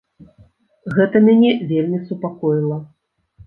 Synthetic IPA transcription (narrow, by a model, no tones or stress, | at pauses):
ɣɛt̪ɐmʲanʲɛvʲelʲmʲisupakɔjilˠɐ